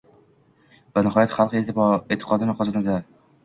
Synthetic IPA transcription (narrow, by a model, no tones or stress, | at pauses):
vanɪɦɒjat̪χɑlˠqieet̪ʰːɪ̥qʰɒd̪ɪnɪqʰɒzanad̪a